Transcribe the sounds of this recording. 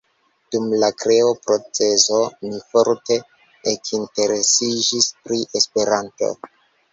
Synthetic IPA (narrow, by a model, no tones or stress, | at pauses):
d̥umlakɾe̞opɾo̞t͡se̞zo̞mifoɾte̞ | ekʰinte̞ɾe̞sid͡ʒispɾiʔespe̞ɾanto̞̰